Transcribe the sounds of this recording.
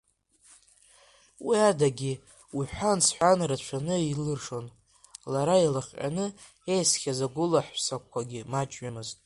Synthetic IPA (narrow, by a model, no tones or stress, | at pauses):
wiadaɡʲi | wiħʷansħʷanɾat͡ʃʷʰanɨilɨrʂo̞n | laɾailaχʲʔʼa̰nɨ | ejsχʲazaɡʷʊlaħʷsak̚ʷʰːaɡʲimat͡ʃʼɥamɨztʼ